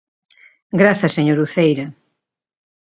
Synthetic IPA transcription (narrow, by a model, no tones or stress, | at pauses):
ɡɾaθɐseɲoɾuθejɾɐ